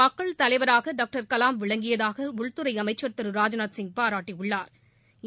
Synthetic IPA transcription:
ɐkːɐɭt̪ɐlɐɪʋɐɾaːɣɐɖaːk̚ʈɐɾkɐlaːmʋɪɭɐŋɡɪjɐðaːɣɐʊɭt̪ɯɾɐɪɐmɐɪt͡ʃːɐɾt̪ːɐɾɯɾaːd͡ʒɐnaːt̪sɪŋ̚paːɾaːʈːiʊɭːaːɾ

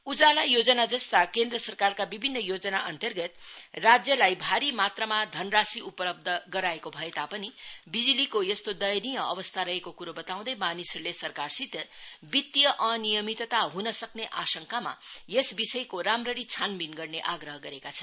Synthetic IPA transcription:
ud͡zalajod͡zʌnad͡zʌst̪akend̪rʌsʌrkarkabibʱinːʌjod͡zʌnaʔʌnt̪ʌrɡʌt̪rad͡zjʌlajbʱaɾimat̪rʌmad̪ʱʌnrasiupʌlʌb̚d̪ʱʌɡʌɾaekobʱʌet̪apʌnibid͡zilikojʌst̪od̪ʌjʌnijʌʌ̰βʌst̪ʰaɾʌɦekokuɾobʌt̪aw̃d̪ʌjmanisʌɾulesʌrkarsit̪ʌbit̪ːijʌʔʌnijʌmit̪t̪aɦunʌsʌkneʔasʌŋkama̰jesbisʌjkoɾamrʌɾit͡sʰanbinɡʌrneʔaɡrʌɦʌɡʌɾekat͡sʰʌn

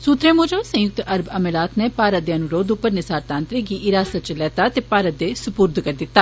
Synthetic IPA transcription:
suːt̪ɾeːmõːd͡ʒõːsə̃jʊk̚t̪əɾbəmelaːt̪nɛːpaːɾət̪̚d̪eanũɾoːd̪ʊpːəɾnɪsaːɾt̪ãːnt̪ɾəɡiːʔɪɾaːsat͡ʃəlɛːt̪aːt̪eːpaːɾət̪̚d̪eːsʊpuːɾd̪kəɾd̪ɪt̪ːaː

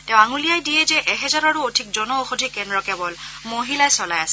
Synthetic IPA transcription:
tɛ̃ʊ̃aŋulijajdijɛzɛʔɛɦɛzaɹɔɹuodʱik̚zɔnɔoxodʱikɛndɹɔkɛbɔl | moɦilajsɔlajasɛ

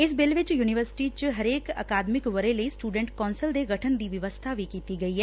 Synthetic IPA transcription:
ɪsbɪlʋɪt͡ʃjuːnɪʋəɾsɪ̥ʈit͡ʃɦɐɾeːkə̰ːkaːd̪mɪkʋəɾẽləisʈuːɖɛ̃ɳʈkɔːnsəld̪eːɡəʈʰənd̪iːʋɪʋəst̪ʰaʋʱiːkiːt̪iɡɐiɦɛː

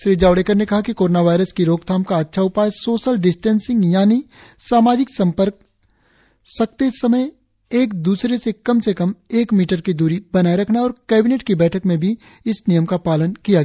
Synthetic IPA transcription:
ʃɾiːd͡ʒaːʊɽeːkəɾnekɐɦakikoːɾoːnaʋaːɪɾəskiɾoːɡt̪ʰaːmkaɐtːʃʰaʊpaːjsoːʃəlɖɪsʈɛ̃ːnsɪ̃ŋɡjaːni | saːmaːd͡ʒɪksɐ̃mpəɾk | sɐk̚t̪esɐməj | eːk̚d̪uːsɾesekɐmsekɐmeːkmiːʈəɾkid̪uːɾibɐnaːeɾɐkʰnaɔːɾkɛːbɪneːʈkibɛːʈʰəkmẽbʱi | ɪsnijəmkapaːlənkijaɡ

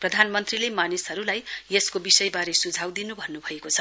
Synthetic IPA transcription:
prʌd̪ʱanmʌnt̪rilemanisɦʌɾulajjeskobisʌjbaɾesud͡zʱawd̪inubʱʌnːubʱʌekot͡sʰʌ

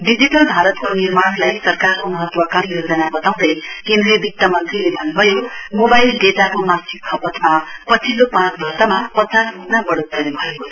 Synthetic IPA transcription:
ɖid͡ziʈʌlbʱaɾʌt̪konirmaɽlajsʌrkaɾunuɦʌt̪wakanijod͡zʌnabʌt̪aw̃d̪ʌjkend̪ɾebʱik̚t̪ːamʌnt̪rilebʱʌnbʱʌjomobajlɖetakomasikʰːʌpʌt̪mapʌt͡sʰilopãt͡sbʱʌrt̪amapʌt͡sasmupnabʌɽot̪̚ɡ̪ʌnebʱʌeko

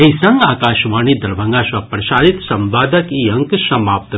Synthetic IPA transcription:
eisɐŋɡaːkaːʃʋaːnid̪ɐɾbʱɐ̃ŋɡaːʃʋapɾɐʃaːɾit̪sɐmʋaːd̪ɐkiɐ̃ŋksɐmaːp̚t̪

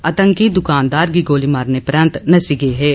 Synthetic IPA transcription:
ɐt̪ə̃ŋkid̪ʊkaːnd̪aːɾɡiɡoːlimaːɾnepɾə̃nt̪nɐsiɡeɦɛː

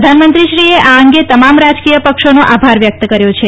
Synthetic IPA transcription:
d̪ʱanmənt̪ɾiʃɾieʔaəŋɡet̪əmamɾad͡ʒkijəpəkʃonoʔabʱaɾʋjək̚t̪əkəɾjot͡ʃʰe

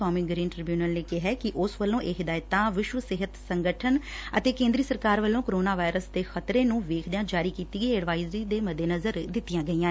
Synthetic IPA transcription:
aːmiɡɾiːnʈɾɪbjuːnəlneːkɪɦɛːkɪʔʊsʋəlːõːʔeːɦɪd̪aːjt̪ãːʋɪʃwəsɪɦət̪səŋɡəʈʰənət̪eːkẽːnd̪ɾiːsəɾkaːɾʋəlːõːkoɾoːnaːʋaːɪɾəsd̪eːxʰət̪ɾẽːnũːʋeːkʰd̪ejãːd͡ʒaːɾiːkiːt̪iːɡəiːəɖʋaːizɾiːd̪eːməd̪ːeːnəzəɾd̪ɪt̪ːijãːɡəiːãː

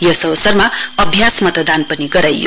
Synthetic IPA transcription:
jʌsʌwsʌrmaʌbʱjasmʌt̪d̪anpʌniɡʌɾajːo̰

